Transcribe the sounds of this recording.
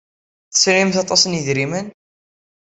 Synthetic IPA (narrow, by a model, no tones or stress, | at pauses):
θə̥sɾimθɑt̪ˤɑsənjəðɾimən